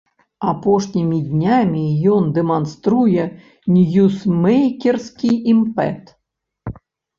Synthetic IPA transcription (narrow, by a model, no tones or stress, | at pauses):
apɔʂnʲimʲid̪ʲnʲamʲijɔnd̪ɛmanst̪ɾujɛ | nʲjusmɛjkʲɛrskʲijimpɛ̰t̪